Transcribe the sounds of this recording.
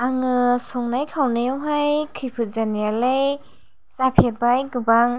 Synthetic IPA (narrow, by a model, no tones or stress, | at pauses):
aŋɯsɔŋnajkʰawnejɔwɦajkʰɯjpʰɯt̚zanijalej | sapʰeɾbajɡɯbaŋ